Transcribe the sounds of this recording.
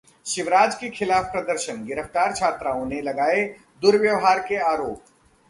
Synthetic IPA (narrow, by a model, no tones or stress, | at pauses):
ʃɪʋɾaːd͡ʒkekʰɪlaːfpɾɐd̪əɾʃənɡɪɾəft̪aːɾt͡ʃʰaːt̪ɾaːõnelɐɡaːe | d̪ʊɾʋjəʋɦaːɾkeaːɾoːp̚